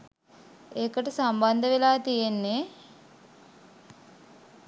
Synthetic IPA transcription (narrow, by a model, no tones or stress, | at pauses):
eːkəʈəsamband̪əʋelaːt̪ijenːe